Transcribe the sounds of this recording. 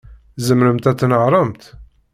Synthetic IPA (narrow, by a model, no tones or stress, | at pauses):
zəmɾəmt̪æt͡sːnəʕɾˤəmt̪